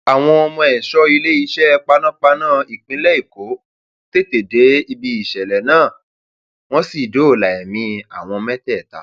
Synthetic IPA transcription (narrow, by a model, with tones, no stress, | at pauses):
a˨w̃ɔ̃˧ɔ˧mɔ̃˧ɛ˨ʃɔ˦i˧le˦i˧˦ʃɛ˦˧k͡pa˧nã˦k͡pa˧nãː˦˨i˨k͡pĩ˨˦lɛ˦i˦˨ko˨˦ | te˦te˨de˨˦i˧bi˧i˨ʃɛ˨lɛ˨nãː˦˨ | w̃ɔ̃˦si˦˨do˨˦o˨la˨ɛ˨mĩ˧a˨w̃ɔ̃˧mɛ˦tɛ˦˨ta̰˨˦